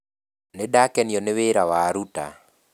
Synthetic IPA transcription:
nedakɛnjɔneweɾawaɾuta̰

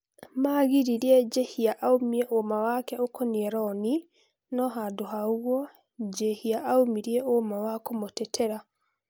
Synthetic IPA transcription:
maɣiɾiɾiɛd͡ʒehiaʔaumiɛʔomawakɛokɔniɛɾɔni | nɔɦadoɦauɣwɔ | d͡ʒehiaʔaumiɾiɛʔomawakomotɛtʰɛɾa

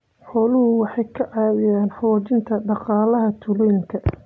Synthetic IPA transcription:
ħɔːlʊhʊwɑħɑjkʰɐʕɑːwɪjaːnħɔːt͡ʃɪnt̪ʰɐɖɑqɑːlɐɦɐt̪ʰʊlɔjɪŋkʰɐ

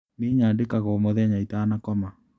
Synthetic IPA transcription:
neːɲaːndekaɣɔmoðɛɲaitaːnakɔma

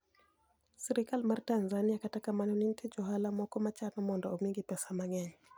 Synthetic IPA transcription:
sɛɾikalmaɾtanzaniakatakamanɔnintʰɛd͡ʒɔɦalamɔkɔmat͡ʃanɔmɔnda̰umiŋɡipɛsamaŋɛɲɛ

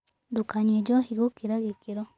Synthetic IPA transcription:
d̪ukaɲed͡ʒohiɡokiɾaɣekiɾo

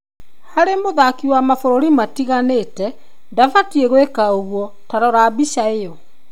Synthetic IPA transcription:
haɾemoðakiwamafoɾoɾimatiɣaneːtɛ | ndafatieɣwekaoɣwɔ | taɾɔɾabiʃaeɔ

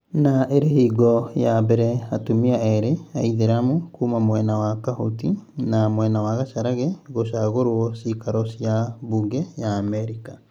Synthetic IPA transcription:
naeɾehiːɡɔjabɛɾɛatumiaɛɾea̰iðeɾamokuːmamwɛnawakahotinamwɛnawaɣaʃaɾaɣɛɣoʃaɣoɾwɔsikaɾɔsiaβuɡɛjaːmɛɾika

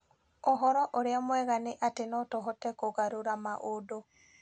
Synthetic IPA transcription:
oɦɔɾɔʔoɾeamwɛɣaneʔatenɔtɔɦɔtɛkoɣaɾoɾamaʔodo

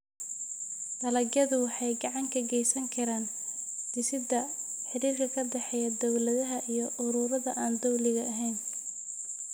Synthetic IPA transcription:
d̪ɐlɐɡjɐðʊwɑħɑjɡɑʕɑŋkʰɐɡɛjsɐŋkʰɐɾaːn | d̪ɪsɪd̪ɐ | ħɪɾiːrkʰɐkʰɐd̪ɛħɛjɐd̪ɔwlɐðɐɦɐʔijɞʔʊɾuːɾɐðɐʔaːnd̪ɔwlɪɣɐːɦɛjn

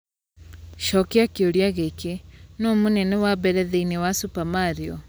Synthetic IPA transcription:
ʃɔkiakioɾjaɣekenɔmunɛnɛwabɛɾɛðeinewasupamaɾiɔ

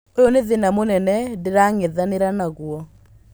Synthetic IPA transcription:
ojɔneðenamonɛnɛdeɾaŋeðaneɾanaɣwɔ

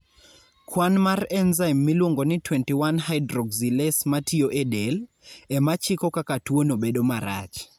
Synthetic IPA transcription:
kwanmarɛnzaimːilwoŋɡonɪtwɛntiwanɦajdɾɔɡzilɛsmatioʔedel | ɛmat͡ʃɪkɔkakatwonobedomaɾa̰t͡ʃ

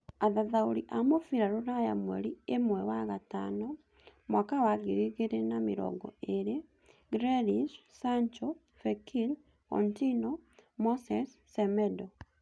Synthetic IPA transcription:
aðaðaoɾiʔamofiɾaɾonajamwɛ̰ɾiemwɛwaɣatanɔ | mwakawaɣiɾiɣeɾenamiɾɔ̰ɡɔ̰eɾe | ɡɾeɾissant͡ʃɔ | fekil | kɔ̰ntinɔmosɛsːɛmɛdɔ

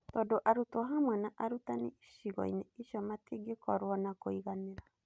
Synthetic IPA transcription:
t̪odoʔaɾut̪oɦamwenaʔaɾut̪aniiʃiɡo̰inɛiʃɔmat̪iɡekɔɾuonakoiɣaneɾa

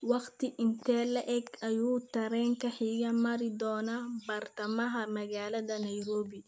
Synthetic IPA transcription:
wɑqt̪ɪʔɪnt̪ʰɛːlɐʔɛɡɐjuːt̪ʰɐɾɛːŋkʰɐħiːjɐmɐɾɪd̪ɔːnabɐrt̪ɐmɐɦɐmɐɣaːlɐðɐnɐjɾɔːbɪ

